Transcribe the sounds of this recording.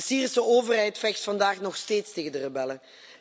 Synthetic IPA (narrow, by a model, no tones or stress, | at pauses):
siːrisəoːvərɦɛjtfɛxstfɑndaːχnɔxsteːtsteːɣəndərəbɛlə